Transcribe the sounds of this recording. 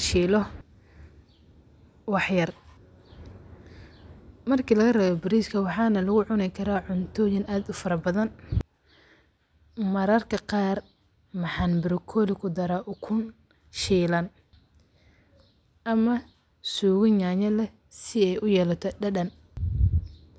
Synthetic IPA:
ʃiːlɔ | wɑħjɐr | mɐrkʰilɐɣɐrɛːβɔbɪɾiskʰɐwɑħɑːnɐlɐɣʊʕʊnɪkʰɐɾaːʕʊnt̪ʰɔːjɪnaːd̪ʊfɐɾɐbɐðɐn | mɐɾɐrkʰɐqɑːr | mɑħɑnbɪɾɪkʰɔːlɪkʰʊd̪ɐɾaʔʊkʰʊn | ʃiːlɐn | ʔɐmɐ | suːɣɪnaɲɐlɛ | sɪɛjʔʊjɛːlɐt̪ʰɔɖɐɗɐn

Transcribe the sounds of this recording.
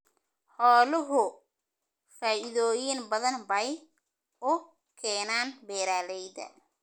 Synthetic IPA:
ħɔːlɪɦʊ | faːʔɪðoːjɪnbɐðɐnbɐj | ʊ | kʰɛːnaːnbɛːɾaːlɛjdɐ̰

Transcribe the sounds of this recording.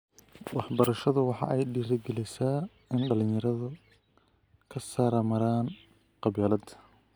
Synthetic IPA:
wɑħbɐɾɐʃɐðʊwɑħɑ̰ʔɛjɖiːɾɐɡɛlɛsaː | ɪnɖɐlɪjɐɾɐðʊ | kʰɐsaːɾɐmɐɾaːn | qɑβiːlɐd̪ʰɐ̥

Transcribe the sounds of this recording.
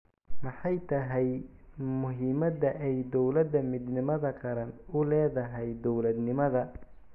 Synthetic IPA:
mɑħɑjt̪ʰɐɦɛj | mʊɦiːmɐd̪ɐʔɛjd̪ɔwlɐd̪ɐmɪd̪nɪmɐðɐkʰɐɾɐnʊlɛːðɐɦɛjd̪ɔwlɐd̪nɪmɐðɐ

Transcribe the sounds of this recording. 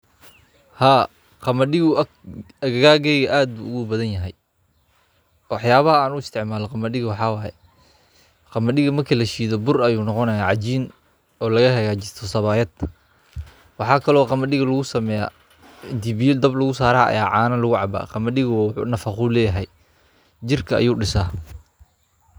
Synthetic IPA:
haː | qɑmɐɗɪɣʊʔɐ | ɐɣɐɣaːɡɛjɣɐʔaːd̪̚bṵːʊɣubɐðɐnjɐɦɛj | wɑħjaːβɐɦɐaːnʊɪst̪ʰɪʕmaːlɔqɑmɐɗɪɣɐwɑħɑːwɑːjɛ̰ | qɑmɐɗɪɣɐmɐrkʰiːlɐʃiːðɔbʊrɐjuːnɔqɔnɐjaːʕɑt͡ʃiːn | ɔːlɐɣɐhɐɣaːt͡ʃɪst̪ʰɔsɐβaːjɐd̪ | wɑħɑːkʰɐlɔːqɑmɐɗɪɣɐlɐɣʊsɐmɛːja̰ː | ɪnt̪ʰibijd̪ɐblɐɣʊsaːɾaːɐ̰jaːʕɑːnɐlʊɣʊʕɑ̰ba̰ːqɑmɐɗɪɣɐwħṵnɐfɑχʊlɛːjɐɦɛj | d͡ʒɪrkʰɐɐ̰juːɖɪsaː

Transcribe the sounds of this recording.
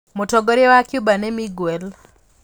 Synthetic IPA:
motɔɡɔɾewakjʊbanemiɡwel

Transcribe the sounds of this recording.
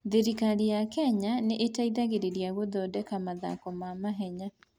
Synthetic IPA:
ðeɾikaɾijakɛɲaneʔetaiðaɣeɾeɾjaɣoðɔdɛkamaða̰kɔmamaɦɛɲa

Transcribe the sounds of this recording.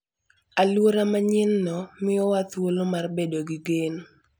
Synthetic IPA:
alwoɾamaɲɪnːɔmɪɔwat̪wolomarbedoɡɪɡen

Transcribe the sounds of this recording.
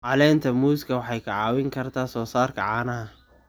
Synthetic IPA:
ʕɑlɛːnt̪ʰɐmuːskʰɐwɑħɑjkʰɐʕɑːwɪŋkʰɐrt̪ʰaːsɔːsaːrkʰɐ̰ʕɑːnɐɦɐ

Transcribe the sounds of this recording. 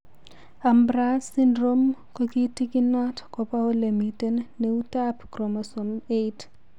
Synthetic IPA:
ambɾasindɾomkokitikinatkɔpawolemitenːeutapkɾomasomejt

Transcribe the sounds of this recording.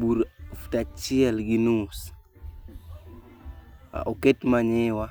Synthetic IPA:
buɾftat͡ʃialɡinus | oketmaɲɛwa

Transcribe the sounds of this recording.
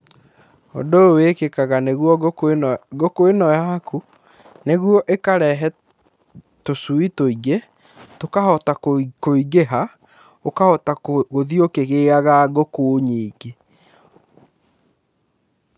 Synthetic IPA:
o̰dowekekaɣaneɣuɔ | ɡokoenɔjaku | neɣwɔʔekaɾɛɦɛ | tosuitoiɣe | tokahɔtakoiɣeɦa | okahɔtaɣoðiokeɣeaɣaɣokoɲiːɡe

